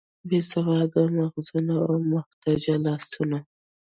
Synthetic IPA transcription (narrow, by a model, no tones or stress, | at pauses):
besavɑd̪əmaxzunaawmʊxt̪ad͡ʒalɑst̪una